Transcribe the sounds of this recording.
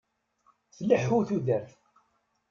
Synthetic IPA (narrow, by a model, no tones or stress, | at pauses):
θliħuθuðəɾθ